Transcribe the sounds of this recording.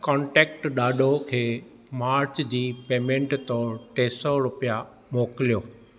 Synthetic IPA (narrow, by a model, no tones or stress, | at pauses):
kɔ̃ːɳʈɛːk̚ʈɗaːɗʱokʰeː | maːɾt͡ɕd͡ʑiːpeːmẽɳʈt̪ɔːɾʈeːsɔɾʊpija | moːkɪlijoː